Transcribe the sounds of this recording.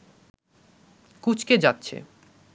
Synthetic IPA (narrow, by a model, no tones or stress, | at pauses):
kut͡ɕʰked͡ʑat̪ːɕʰḛ